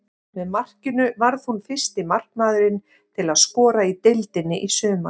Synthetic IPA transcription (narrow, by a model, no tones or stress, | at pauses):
vɛðmar̥cʏnʏvaɾðhunfɪr̥st̪ɪmar̥knaːðɾɪn | t̪ʰɪlaðskɔːɾait̪ejlt̪ɪnːɪʔisœːʏma